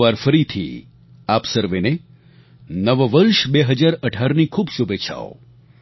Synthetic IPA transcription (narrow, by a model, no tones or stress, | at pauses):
ʋaɾfəɾit̪ʰḭ | apsəɾʋene | nəʋəʋəɾʃbeɦəd͡ʒaɾəʈʰaɾnikʰuːbʃubeːʃʰa̰o̰